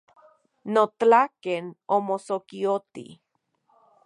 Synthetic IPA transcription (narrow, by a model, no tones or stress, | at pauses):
not̪akenomosokiot̪ḭ